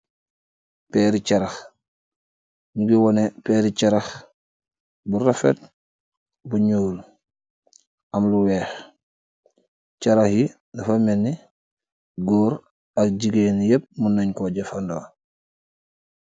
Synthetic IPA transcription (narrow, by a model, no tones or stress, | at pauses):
pɛːɾicɐɾax | ɲuɡiwɔnepɛːɾicɐɾɐx | buɾafḛt̚ | buɲuːl | ɐmluwɛːx | cɐɾaxji | nɐfamɛnːi | ɡoːɾ | ɐk̚ɟiɡenjep̚munɐɲkoɟefando